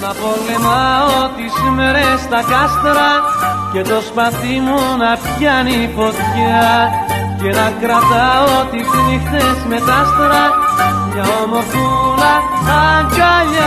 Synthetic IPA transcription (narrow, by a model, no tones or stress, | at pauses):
nɐpo̞lemɐot̪isime̞ɾest̪ɐkɐst̪ɐɾɐce̞t̪ɾo̞spɐθimunɐpçɐnipo̞t̪çeɐ | ce̞nɐkɾɐt̪ɐot̪ifunixt̪esme̞t̪ɐst̪ɐɾɐmɲɐomo̞pulɐɐŋɡɐʎɐ